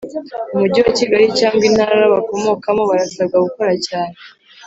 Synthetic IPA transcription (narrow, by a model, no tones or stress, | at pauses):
umuɟiwaciɡaɾicaːŋɡinhaːɾaɾaβako̞mo̞ːkamo̞βaɾasaɡaɡuko̞ɾacaːne